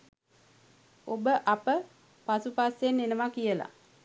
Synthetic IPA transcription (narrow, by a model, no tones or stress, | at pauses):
obəʔapə | pasupasjenːenəmakijəla̰